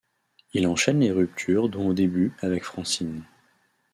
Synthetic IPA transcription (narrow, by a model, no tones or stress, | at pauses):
ilɑ̃ʃɛnleʁyp̚t̪ʰyʁd̪ɔ̃od̪ebyavɛkfχɑ̃sin